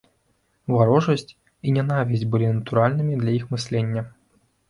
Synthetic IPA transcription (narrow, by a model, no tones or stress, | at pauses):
vaɾɔʐɐsʲtʲ | inʲɛnavʲisʲdʲbɨlʲinɐt̪uɾalʲnɨmʲid̪lʲaixmɨsʲlʲenʲːɐ